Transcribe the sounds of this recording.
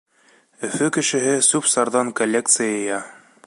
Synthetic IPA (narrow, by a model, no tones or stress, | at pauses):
ɵ̆fɵkɘ̆ʃɘ̆ɦɘsʉpsɑɾðɑŋkolʲːek̚t̪sɨjajɤ̆jɑ